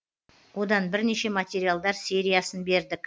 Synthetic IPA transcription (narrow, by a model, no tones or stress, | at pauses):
wo̞d̪ɑnbɪɾne̞ʃe̞mat̪ʲe̞ɾijalˠd̪ɑɾse̞ɾijasənbe̞ɾd̪ɪk